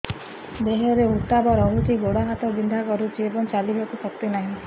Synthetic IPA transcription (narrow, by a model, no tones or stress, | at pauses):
d̪eɦeɾeut̪abɔɾɔɦut̪iɡoɽaɦat̪ɔbind̪ʱakɔɾut͡ʃʰiebɔŋt͡ʃaliɦakusɔkt̪inaɦĩ